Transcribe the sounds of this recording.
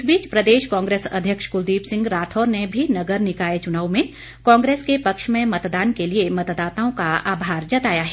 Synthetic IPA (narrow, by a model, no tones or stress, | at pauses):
sbiːt͡ʃpɾɐd̪eːʃkɔ̃ːŋɡɾeːsɐ̰d̪ʱjəkʃkʊld̪iːpsɪ̃ŋɡɾaːt̪ʰɔːɾnebʱinɐɡəɾnɪkaːjet͡ʃʊnaːʋmẽ | kɔ̃ːŋɡɾeːskepɐkʃmẽmɐt̪d̪aːnkeliemɐt̪d̪aːt̪aːõkaa̰ːbʱaːɾd͡ʒɐt̪aːjaɦɛː